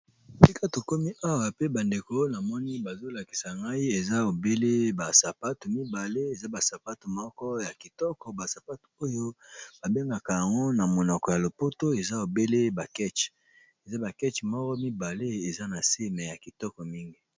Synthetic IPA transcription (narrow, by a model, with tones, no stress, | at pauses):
ti˦kʰa˦to˨ko˦mi˦ʔa˦wa˨pe˦ba˨nde˨ko˦na˨mɔ˦ni˦ba˨zo˦la˨ki̥˨sa˨ŋɡa˦i˦e˨za˦o˨be˦le˦ba˨sa˨pa˦to˨mi˦ba˨le˦e˨za˦ba˨sa˨pa˦to˨mɔ˦kɔ˦ja˨ki˨tɔ˦kɔ˨ba˨sa˨pa˦to˨o˦jo˦b̥a˨be˦ŋɡa˨ka˨ja˨ŋɡo˦na˨mo˨nɔ˨kɔ˨ja˨lo˨po˦to˦e˨za˦o˨be˦le˦ba˨kɛ˦t͡ʃ | e˨za˦ba˨kɛ˦t͡ʃmɔ˦kɔ˦mi˦ba˨le˦e˨za˦na˨se˦mɛ˨ja˨ki˨tɔ˦kɔ˨mi˦ŋɡi˦